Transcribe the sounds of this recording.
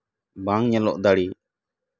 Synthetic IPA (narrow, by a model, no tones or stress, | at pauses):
baŋɲɛlɔʔd̪aɽi